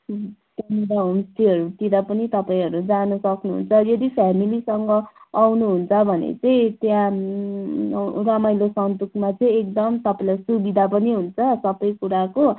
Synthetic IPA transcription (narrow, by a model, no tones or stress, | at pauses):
k̪amiɽaɦumst̪iɦʌɾut̪id̪ʌpʌnit̪ʌpaĩɦʌɾud͡zanʌsʌknuɦṵnt͡sʰʌjʌd̪ipʰamilisʌŋɡʌawnuɦunt͡sʰʌbʱʌnḛt͡sʌĩt̪jã | ramajlosʌnt̪ukʰmat͡sʌĩek̚d̪ʌmt̪ʌpailasubid̪ʱapʌniɦunt͡sʰʌsʌbʌjkuɾako